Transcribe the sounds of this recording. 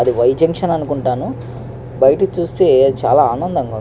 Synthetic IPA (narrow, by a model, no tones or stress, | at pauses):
ɐd̪iʋɐjd͡ʒɐŋkʂɐnɐnukuɳʈaːnu | bɐjʈɐt͡ʃuːst̪e̞ːt͡ʃa̰ːlaːaːnɐnd̪ɐŋɡaː